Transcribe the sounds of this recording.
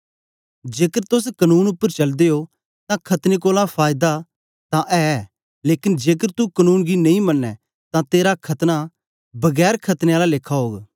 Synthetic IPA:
d͡ʒeːkəɾt̪ʊskɐnuːnʊpːəɾt͡ʃɐld̪eo | t̪ãkʰɐt̪nek̬oːlãpʰaːjɪd̪a | t̪ãʔɛ | leːkɪnd͡ʒeːk̬əɾt̪ukɐnuːnɡinɐĩmɐnːɛ | t̪ãt̪eːɾakʰɐt̪na | bɐɡɛːɾkʰɐt̪neaːlaleːkʰːaɦoːɡ

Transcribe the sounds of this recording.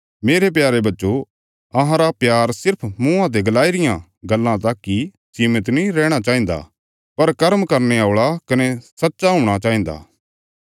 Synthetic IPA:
meːɾep̬jaːɾebɐtːʃo | ɐɦãɾapjaːɾsɪɾpʰmũːãt̪̬eɡɐlaːiɾɪjã | ɡɐlːãt̪aːkːi | d͡ʒiːmət̪nĩɾɛːɽ̃at͡ʃaːĩːnd̪a̰ | pɐɾkɐɾmkɐɾneaːʊːɭakɐnesɐtːʃaɦʊ̃ːɽ̃at͡ʃaːĩːnd̪a̰ː

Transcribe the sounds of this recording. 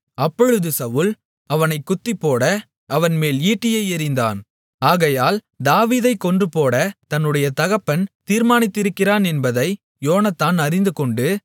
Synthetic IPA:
ɐpːɔɻɯðɯsɐʋɯl | ɐʋɐnɐɪkːʊt̪ːɪpːoːɽɐ | ɐʋɐnmeːliːʈːɪjɐɪɪɾɪnd̪a̰ːn | aːɣɐjaːl | d̪aːʋiːðɐɪkːɔndrɯpoːɽɐt̪ɐnːɯɽɐjɐt̪ɐɣɐpːɐnt̪iːɾmaːnɪt̪ːɪɾɯkːɪraːnɛnbɐðɐɪ | joːnɐt̪ːaːnɐɾɪnd̪ɯkɔɳɖɯ

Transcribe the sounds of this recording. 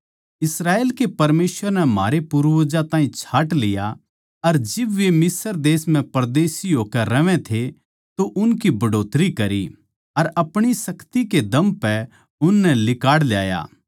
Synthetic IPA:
ɪsɾaːeːlkepɐɾmeːsʋəɾnɛm̤a̰ːɾepuɾʋəd͡ʒat̪aːĩt͡ʃʰaːʈlɪja | ɐɾd͡ʒɪbʋemɪsəɾd̪eːsmɛ̃pɐɾd̪eːsiɦoːkɛɾɐʋɛ̃t̪ʰe | t̪oʔʊnkibʱɐɖoːt̪ɾikɐɾḭ | ɐɾɐpɽ̃isɐkt̪iked̪ɐ̃mpɛ | ʊnːɛlɪkaːɽlja̰ːja̰ː

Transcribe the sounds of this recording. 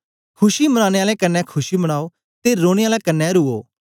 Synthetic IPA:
kʰʊʃimɐɽ̃aːɽeaːlɛkɐnːɛkʰʊʃimɐɽ̃aːo | t̪eɾoːɽ̃eaːlɛkɐnːɛɾuoː

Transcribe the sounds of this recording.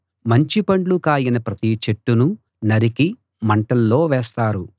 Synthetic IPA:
mɐɲt͡ʃipɐɳɖlukaːjinɐpɾɐt̪it͡ʃeʈːunu | nɐɾiki | mɐɳʈɐlːo̞ːʋɛːst̪aːɾu

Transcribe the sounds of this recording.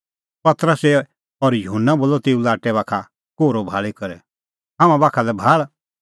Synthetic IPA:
pɐt̪ɾəse | ɔɾjʊɦʊnːaboːlɔt̪eːũlaːʈɛβaːkʰa | koːɾobʱaːɭikɐɾɛ | ɦãːmãbaːkʰalɛbʱaːɭ

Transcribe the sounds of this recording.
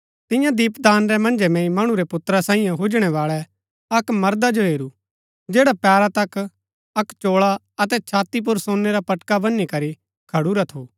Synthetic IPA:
t̪ɪ̃jãd̪iːpd̪aːnɾɛmɐ̃nd͡ʒɛmɛ̃ːĩmɐɽ̃ũɾɛpʊt̪ɾasãːĩːjãɦʊd͡ʒɽ̃ɛβaːɭɛ | ɐkmɐɾd̪ad͡ʒoɦeːɾu | d͡ʒeːɽapɛːɾat̪ɐk | ɐkt͡ʃoːɭa | ɐt̪ɛt͡ʃʰaːt̪ip̬ʊɾsõːnːeɾapɐʈkabɐnːikɐɾi | kʰɐɽuɾat̪ʰoː

